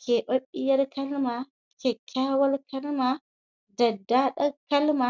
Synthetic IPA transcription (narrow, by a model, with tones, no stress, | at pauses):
ke˨ɓo˦ɓi˦jɐ˦ɾkɐ˦lma˨ | ke˨kʰʲːaː˦wɐ˦lkɐ˦lma˨ | dɐ˨dːa˦ɗa˦kɐ˦lma˨